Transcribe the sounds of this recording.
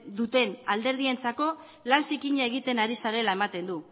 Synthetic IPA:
d̪ut̪e̞nald̪e̞ɾð̞ie̞nt͡sako̞ | lansikiɲaeɣ̞it̪e̞naɾisaɾe̞lae̞mat̪e̞nd̪u

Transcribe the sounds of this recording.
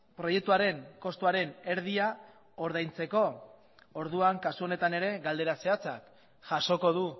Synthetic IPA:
pɾo̞je̞k̚t̪uaɾe̞ŋko̞st̪uaɾe̞ne̞ɾð̞ia | o̞ɾð̞ajnt͡se̞ko̞ | oɾðuaŋkasuo̞ne̞t̪ane̞ɾe̞ɣald̪e̞ɾase̞at͡sa̰k | ʝaʃo̞ko̞ðu

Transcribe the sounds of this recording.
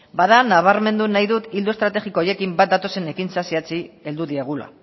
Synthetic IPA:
baðanaβ̞aɾme̞nd̪unajðut̪ild̪uest̪ɾat̪e̞ɣiko̞oje̞kimbat̪̚d̪at̪o̞se̞ne̞kint͡sasiat͡sie̞ld̪uðieɣ̞ula̰

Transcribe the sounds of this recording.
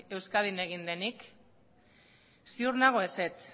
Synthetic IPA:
e̞wskað̞ine̞ɣ̞ind̪e̞nik | siuɾnaɣ̞o̞ese̞t͡s

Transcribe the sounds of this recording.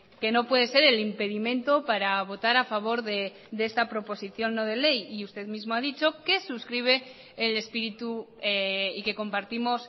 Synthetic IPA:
ke̞no̞pwe̞ð̞e̞se̞ɾe̞limpe̞ðimẽ̞nt̪o̞paɾaβ̞o̞t̪aɾafaβ̞o̞ɾðe | ðee̞st̪apɾo̞po̞siθjo̞nːo̞ð̞e̞le̞jiust̪e̞ðmizmo̞að̞it͡ʃo̞ke̞suskɾiβ̞e̞ː | le̞spiɾit̪ueike̞ko̞mpaɾt̪imo̞s

